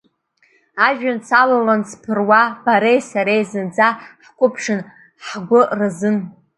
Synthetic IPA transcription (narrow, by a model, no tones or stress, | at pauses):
aʒᶣant͡sʰalalanzpʰɨrwab̥aɾejsaɾejzɨnd͡zaħkʷʰʼʊpʰʂɨn | ħɡʷʊrɨzɨn